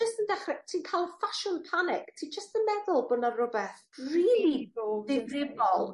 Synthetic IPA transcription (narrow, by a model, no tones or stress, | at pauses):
əstəndɛχrɛtʰiːnkʰaːlˠfaʃɔnpʰanɪktʰiːd͡ʒəstəmɛðʊlˠbʊnarʊbɛθriːlˠiðɪdrɪbɔlˠ